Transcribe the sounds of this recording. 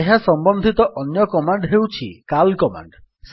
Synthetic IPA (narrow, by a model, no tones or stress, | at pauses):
eɦasɔmbɔnd̪ʱit̪ɔʔɔnjɔkɔmaɳɖɦewt͡ʃʰikalkɔma̰ɳɖs